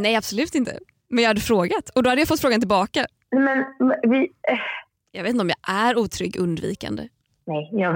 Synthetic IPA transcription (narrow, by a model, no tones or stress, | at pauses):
nɛjab̥sɔlʉ̟ːt̪ɪnt̪ʰə̰ | mɛnjɑːhad̪ːəfɾoːɡat̪ɔd̪ɔhad̪əjafɔt̪fɾoːɡant̪ɪlbɑːka | nɛmɛnmvɪ | jɑɡvet̪ɔmjɑ̰ʔæɾuːt̪ʰɾʏɡːʔɵnd̪vḭːka̰nd̪ə̰ | nɛjjɑ